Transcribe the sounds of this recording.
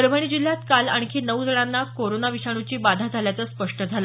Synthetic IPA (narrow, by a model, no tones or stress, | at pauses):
əɾʋəɽ̃id͡ʑil̤ːjat̪kala̰ɳ̃kʰenəʋd͡zəɽanːakoɾonaʋiɕaɽ̃ut͡ɕiːbad̪ʱad͡zʱaljat͡səːspəʂʈəd͡zʱala